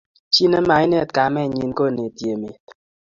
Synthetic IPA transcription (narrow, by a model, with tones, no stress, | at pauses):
t͡ʃi˦ne˦ma˨˦i˦ne˦˨tka˨mɛ˦˨ɲi˨nko˦˨ne˨tje˨me˨